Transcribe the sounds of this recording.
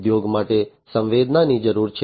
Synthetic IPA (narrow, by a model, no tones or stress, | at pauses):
d̪joɡmaʈe | sə̃ʋʋed̪nanid͡ʒəɾuɾt͡ʃʰ